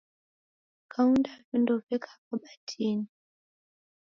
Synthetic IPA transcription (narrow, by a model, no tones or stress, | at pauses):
kʰauntafindɔfɛkʰaapɔɓatʰini